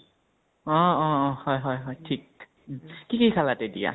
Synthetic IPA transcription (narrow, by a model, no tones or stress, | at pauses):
ɔɔɔhɔjɦɔjɦɔjtʰik̚ | kikejkʰalatɛdija̰